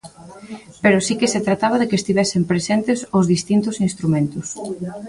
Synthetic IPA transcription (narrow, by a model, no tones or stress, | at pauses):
peɾʊsikɪset̪ɾat̪aβ̞aðekest̪iβɛsempɾesent̪ɪsʊzðist̪int̪ʊsinst̪ɾumẽnt̪ʊs